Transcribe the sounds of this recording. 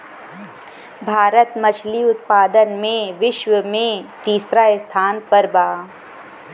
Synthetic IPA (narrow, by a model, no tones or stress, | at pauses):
bʱaːɾət̪mɐt͡ʃʰliʊt̪̚paːd̪ənmẽʋɪʃwəmẽt̪iːsɾaɪst̪ʰaːnpɐɾbaː